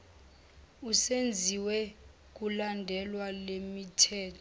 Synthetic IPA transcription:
usend͡zʱiwɛ | k̬ulandʱɛlwalemitʰɛːtʰɔ

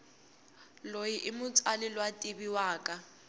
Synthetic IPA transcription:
lojiʔɪmʊt͡sʼalɪlwatʼɪbiwaːkʼa

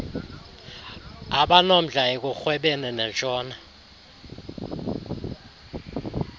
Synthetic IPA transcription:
aɓanom̩ɮʱaɛk̬ʼuxwɛɓɛnɛnɛnt͡ʃʼɔːna

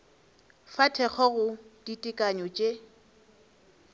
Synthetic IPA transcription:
fatʰɛk͡xʰɔɣʊd̥itʼɪkʼaɲɔt͡ʃʼe

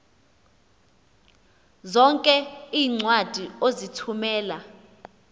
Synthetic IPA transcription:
zɔŋkʼɛiːŋ͡ǀwad̥ʱiozitʰumɛːla

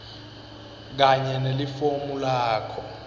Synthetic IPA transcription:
k̬aɲɛnelifomulaːkʰɔ

